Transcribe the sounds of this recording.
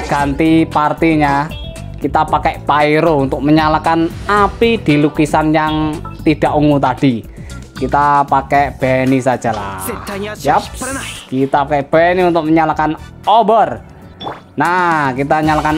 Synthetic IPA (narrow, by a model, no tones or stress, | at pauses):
ɡ̥a̤nt̪ipart̪iɲa | kit̪apakɛʔpaiɾount̪ʊk̚məɲalakanapid̪̥i̤lukisanjaŋt̪id̥aʔuŋut̪ad̥i | kit̪apakɛb̥ɛnisḁd͡ʒ̥ala̰ | jap̚kit̪aakɛb̥ɛniunt̪ʊk̚məɲalakan | obər | nakit̪aɲalakan